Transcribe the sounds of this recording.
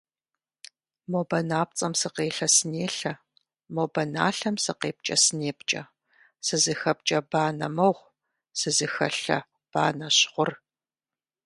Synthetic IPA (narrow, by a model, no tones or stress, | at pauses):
moːbɐnaːp̚t͡sʼɐmsɨqeːɬɐsɨneːɬɐ | mobɐna̰ːɬɐmsɨqeːp̚t͡ʃʼɐsɨneːpt͡ʃʼɐ̰ | sɨzɨxɐp̚t͡ʃʼɐbaːnɐmɐʁʷ | sɨzɨxɐɬɐ̰ | b̥aːnɐɕχʷʊr